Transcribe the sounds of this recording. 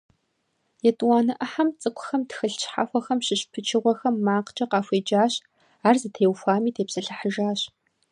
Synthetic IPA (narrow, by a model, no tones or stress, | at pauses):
jɛtʼwaːnɨʔɐħamt͡sʼɨkʷʰʼʊxɐmtxɨɬt͡ʃħa̰xʷɔxɐmɕɪɕpʰɨt͡ʃʰɪʁʷɔxɐmːaːqt͡ʃʼɐqɑːfʷeːd͡ʒaːɕ | aːrzɨtʰeːwfʷaːmiːtʰeːpsɐɬɐħəʒaːɕ